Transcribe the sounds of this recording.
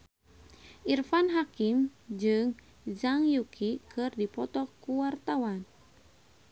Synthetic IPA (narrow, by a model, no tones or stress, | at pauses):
ʔirfanɦakimd͡ʒɨŋ | d͡ʒaŋjukʰikʰɨrdipɔt̪ɔkuwart̪awan